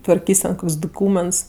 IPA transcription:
tʋɐrʲˈkʲiːsʲ tʲɛn ˈkoːkʲsʲ dʊˈkuːmʲɛnts

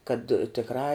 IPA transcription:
kɐt tʲɪkˈrɑː

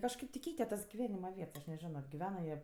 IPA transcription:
kɐʃˈkɐɪp tʲɪ ˈkʲɛɪtʲɛ tɐs ɡʲɪˈʋʲæːnʲɪmɐ ˈʋʲiɛts ɐʃ nʲɛˈʒʲɪnoː ɡʲɪˈʋʲæːnɐ jiɛ

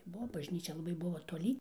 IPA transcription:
ˈbuɔ bɐʒʲˈnʲiːt͡ʃʲɛ lˠɐˈbɐɪ ˈbʊʋoː toːˈlʲiː

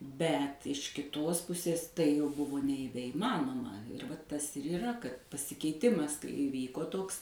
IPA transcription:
ˈbʲɛt ɪʃ kʲɪˈtoːs ˈpʊsʲeːs tɐɪ jɛʊ ˈbʊʋoː nʲɛiːʋʲɛɪˈmɑːnoːmɐ ʋɐt ˈtɐs ɪr iːˈrɐ kɐt pɐsʲɪkʲɛɪˈtʲɪmɐs kɐɪ ɪˈʋʲiːkoː ˈtoːks

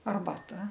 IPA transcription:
ɐrbɐˈtɐ

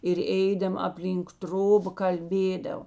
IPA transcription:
ɪr ˈɛɪdɐmɐ ɐpʲˈlʲiːŋk ˈtroːbɐ kɐlʲˈbʲeːdɐʋoː

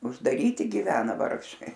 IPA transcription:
ʊʒdɐˈrʲiːtʲɪ ɡʲɪˈʋʲæːnɐ ˈʋɐrkʃɐɪ

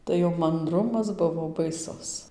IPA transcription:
tɐɪ jɛʊ mɐnˈdrʊmɐs ˈbʊʋoː bɐɪˈsʊs

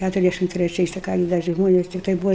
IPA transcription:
ˈkʲætʊrʲɛzʲˌdʲæʃʲɪm tʲrʲɛˈt͡ʃʲɛɪs tɐɪ ˈkɑː ɡʲɪ dɐ ˈt͡ʃʲɛ ˈʒmoːnʲɛs tʲɪkˈtɐɪ ˈbuːʋɐ

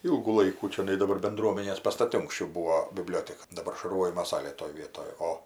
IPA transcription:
ˈiːlˠɡuː ˈlˠɐɪkuː t͡ʃʲoːˈnɐɪ dɐˈbɐr bʲɛnˈdruɔmʲɛnʲeːs pɐstɐˈtʲɪ ʊŋksʲˈt͡ʃʲɛʊ ˈbuːoː bʲɪˈbʲlʲoːtʲɛkɐ dɐˈbɐr ʃɐrˈʋoːjɪmoː ˈsɑːlʲeː toːj ˈʋʲiɛtoːj ˈoː

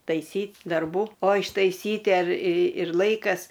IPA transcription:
tɐɪˈsʲiːtʲ dɐrˈbuː oː ɪʃtɐɪˈsʲiːtʲɪ ɐr ɪ ɪr ˈlˠɐɪkɐs

